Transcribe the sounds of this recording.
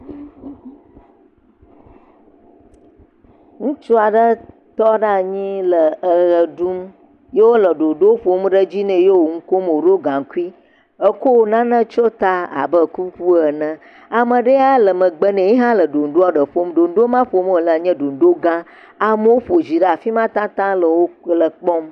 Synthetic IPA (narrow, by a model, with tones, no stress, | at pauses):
ŋũ˦t͡ʃo˦a˨ɖə˦ | t̪ɔ˦ɖa˦˨ɲĩ˦lə˨ə˨ɣə˨ɖu˦m | je˦wo˦lə˨ɖo˨ɖo˦ɸo˦m˦ɖə˦d͡ʑi˦nɛ̃˨je˦wo˨ŋũ˦ko˦mo˨ɖo˦ɡã˨ŋ˨ku˦i˦ | ə˦ko˦˨nã˦nə̃˦t͡ʃo˦t̪a˦a̰˨bə˦ku˦ku˦ə˨nə̃˦ | a˨mə˨ɖə˦a˦lə˨mə̃˨ɡ͡bə˦nɛ̃˨ɲĩ˦ɦã˦lə˨ɖo˨n̩˨ɖo˦a˨ɖə˨ɸo˦mɖo˨n˦ɖo˦mã˦ɸo˦m˦o˨lə˨ɲɛ̃˦ɖo˨n˨ɖo˦ɡã˦ | a˨mə˦wo˦ɸo˨d͡ʑi˨ɖə˦a˨fi˦mã˦t̪ã˦t̪ã˦lə˨wo˦lə˨k͡pɔ˦m